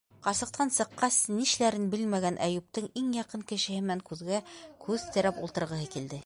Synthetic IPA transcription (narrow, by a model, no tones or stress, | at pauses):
qɑsɤ̆q̚t̪ʰɑnsɤ̆qːɑsniʃlæɾɘnbɘlmæɡænʔæ̰jup̚t̪ɤɴiŋjɑqɤɴkɘ̆ʃɘ̆hɘmɘnæŋkʉðɡækʰʉðt̪ɘ̆ɾæpulˠt̪ɤ̆ɾʁɤ̆ɦɤkild̪ɘ